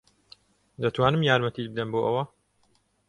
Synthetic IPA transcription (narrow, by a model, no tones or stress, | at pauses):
d̪ɐt̪waːnɨmjaːɾmɐt̪ʰiːd͡ʒbɨd̪ɐnboːʔɐwɐ